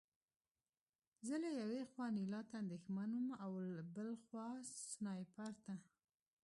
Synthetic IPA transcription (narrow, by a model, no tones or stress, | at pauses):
zəlajawexwɑnilɑt̪aːnd̪exmanumawlbəlxwɑssnɑjpaɾt̪a